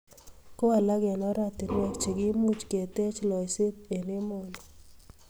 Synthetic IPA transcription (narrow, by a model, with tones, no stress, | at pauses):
ko˦a˨la˦ɡɛ˨nɔ˦ɾa˦t̪ɪ˨n˦wɛ˨kt͡ʃi˨ɡɪ˦mu˦t͡ʃke˨t̪e˦t͡ʃlɔ˨ɪsɪ˦t̪e˨nɪ˦mo˨ni˨